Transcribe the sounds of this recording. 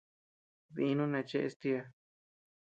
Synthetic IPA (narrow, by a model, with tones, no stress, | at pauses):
ði˧nũ˦nã˧t͡ʃe˧ʔe˧st̪i˧a˧